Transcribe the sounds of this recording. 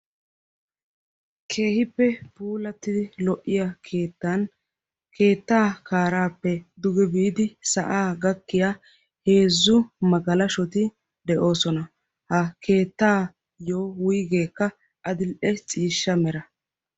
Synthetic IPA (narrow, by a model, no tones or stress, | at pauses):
kʰe̞ːhɪpːɛpuːlɐt̪ːɪlɔʔɪjɐkʰeːt̪ːɐn | kʰe̞ːt̪ːaːkaːɾaːpːɛd̪ʊɡɛbiːd̪ɪsɐʔaːɡɐkːɪja | he̞ːzːʊmɐɡɐlɐʃɔt̪ɪ | d̪ɛʔo̞ːsɔnɐ | hɐkʰe̞ːt̪ːaː | joːwʊjɡe̞ːkːɐ | ʔɐd̪ɪlʔɛt͡sʼiːʃːɐmɛɾɐ